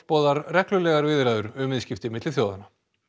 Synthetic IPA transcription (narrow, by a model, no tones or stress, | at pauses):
pɔːðaɾrɛklʏlɛːɣaɾvɪðɾaːðʏɾʏmɪðscɪft̪ɪmɪt̪lɪθjoːwðana